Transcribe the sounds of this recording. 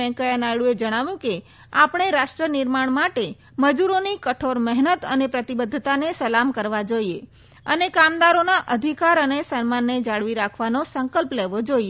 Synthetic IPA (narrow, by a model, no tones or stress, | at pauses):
ɛ̃kəjanajɽued͡ʒəɽ̃aʋjũke | apɳ̃eɾaʃʈɾənɪɾmaɳ̃maʈe | məd͡ʒuɾonikəʈʰoɾmɛɦnət̪ə̰nepɾət̪ibəd̪ʱːt̪anesəlamkəɾʋad͡ʒoie | ənekamd̪aɾonaʔəd̪ʱikaɾənesənmanːed͡ʒaɭʋiɾakʰʋanosəŋkəlpleʋod͡ʒoie